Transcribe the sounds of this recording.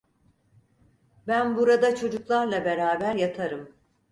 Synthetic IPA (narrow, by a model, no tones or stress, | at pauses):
bænbuɾad̪at͡ʃʰo̞d͡ʒuklˠaɾlˠabe̞ɾaːbæɾjat̪ʰaɾɯm